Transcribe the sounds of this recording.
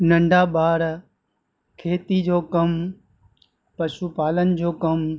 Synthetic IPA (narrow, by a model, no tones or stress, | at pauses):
nɐ̃ɳɖʱaːɓaːɾ | kʰeːt̪id͡ʑoːkɐm | pɐʃuːpaːlənɪ̆d͡ʑoːkɐm